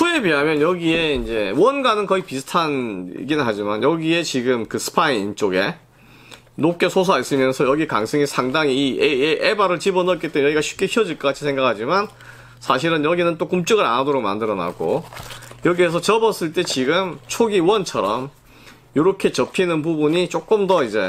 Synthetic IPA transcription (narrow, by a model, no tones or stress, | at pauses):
sue̞biɦamjʌnjʌɡie̞ind͡ʑe̞wʌnɡanɯnkʌipisʰɯ̥tʰanɡinɯɭɦad͡ʑimanjʌɡie̞t͡ɕiɡɯmkɯsʰɯ̥pʰaint͡ɕ͈oɡe̞̰ | nok̚k͈e̞sʰos̬ʰais͈ɯmjʌnsʰʌjʌɡika̰ŋsʰeŋisʰaŋdaŋiːʔebaɾɯɭt͡ɕibʌnʌk͈et͈ejʌɡiɡaɕʰu̥p̚k͈ʰe̞çʰiʌd͡ʑiɭk͈ʌk͈at͡ɕʰisʰeŋɡakʰad͡ʑiman | sʰaɕ̬ʰiɾɯnjʌɡinɯnt͈okumt͡ɕ͈ɯɡɯɾa̰nadoɾok̚ma̰ndɯɾʌna̰ɡo̰ | jʌɡie̞s̬ʰʌt͡ɕʌbʌs͈ɯɭt͈e̞t͡ɕiɡɯmt͡ɕʰoɡiwʌnt͡ɕʰʌɾʌm | joɾokʰe̞t͡ɕʌpʰinɯnp̬ubuɲit͡ɕ͈ok͈ɯmdʌid͡ʑe̞